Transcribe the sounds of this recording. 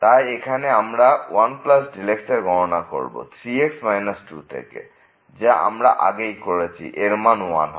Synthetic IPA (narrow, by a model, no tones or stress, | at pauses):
t̪ajekʰaneamɾawanklasɖilekseɾɡʱɔɾonako̰ɾbo̰t̪ʰɾieksmajnasʈut̪ʰḛkḛ | d͡ʑaʔa̰mɾaʔa̰ɡejkoɾet͡ɕʰḭʔeɾmanwanɦ